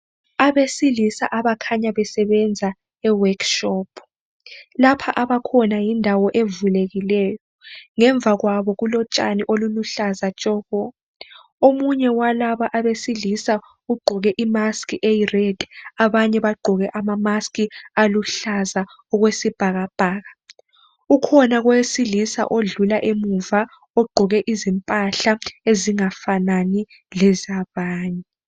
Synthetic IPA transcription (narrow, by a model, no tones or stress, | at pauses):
aβesilisaʔaβakʰaɲaβɛsɛβɛnd͡zʱa | ɛwakʃɔpʰ | lapʰaʔaβakʰɔnajindʱawɔʔevuleɣilɛːjɔŋɛɱb̪vʱaɣwaβɔɣulɔt͡ʃʼa̰niʔoluluɬazat͡ʃʼɔːɣɔ | omuɲɛwalaβaʔaβesilisa | uɡ͡ǃʱɔɣɛʔimaskʼiʔejirɛd̥ʱaβaɲɛβaɡ͡ǃʱɔɣɛʔamamaskialuɬaza | ɔɣwesib̥ʱaɣab̥ʱaːɣa | ukʰɔnaɣwesilisa̰ʔoɮulaʔemuva | ɔɡ͡ǃʱɔɣɛʔizimpʼaɬaeziŋafanani | lɛzaβaːɲɛ